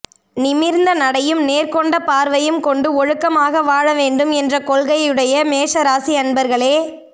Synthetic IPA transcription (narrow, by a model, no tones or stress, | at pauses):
nɪmɪɾnd̪ɐnɐɽɐjɯmneːɾkɔɳɖɐpaːɾʋɐjɯmkɔɳɖɯɔɻɯkːɐmaːɣɐʋaːɻɐʋeːɳɖɯmɛndrɐkɔlɣɐjɯɽɐjɐmeːʂɐɾaːsiɐnbɐɾɣɐɭeː